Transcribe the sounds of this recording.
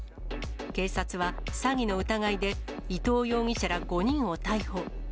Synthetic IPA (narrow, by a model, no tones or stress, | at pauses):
ke̞ːsat͡sɨβasaɡʲino̞ɯ̟t̪aɡaid̪e̞ | it̪o̞ːjo̞ːŋʲiɕaɾaɡo̞ɲ̟ĩɰ̃o̞t̪aiho̞ː